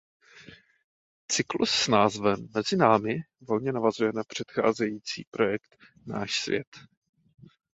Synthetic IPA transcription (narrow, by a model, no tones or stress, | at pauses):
t͡sɪklṵsːnaːzvɛmːɛzɪnaːmɪ | vo̞lɲɛnavazujɛnapr̝̥ɛt̪xa̰ːzɛjiːt͡sḭːpɾo̞jɛkt̪ | na̰ːʃsvjɛ̰t̪